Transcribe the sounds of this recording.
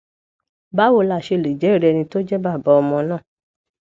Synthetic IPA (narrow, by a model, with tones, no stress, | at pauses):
ba˦wo˦˧˨la˧˨ʃe˧˨le˨d͡ʒɛ˨˦i˦˨ɾɛ˧nĩ˧to˦d͡ʒɛ˦ba˦˨ba˨˦ɔ˧mɔ̃˧nãː˦˨